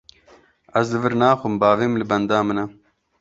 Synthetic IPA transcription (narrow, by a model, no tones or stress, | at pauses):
ɐzd̪ɨvɨɾnaːxʊmbaːveːmlɨbɐnd̪aːmɨnɐ